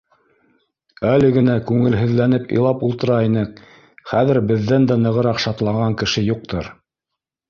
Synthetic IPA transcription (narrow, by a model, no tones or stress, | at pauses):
ælɘ̆ɡɘ̆nækʉŋɘ̆lɦɵ̆ðlænɘpɤ̰̆jlˠɑpulˠt̪ɤ̆ɾɑinɘk | χæðɘɾbɘ̆ðːænd̪ænɤ̆ʁɤ̆ɾɑqʃɑt̪lˠɑʁɑŋkɘ̆ʃɘjuq̚t̪ʰɤɾ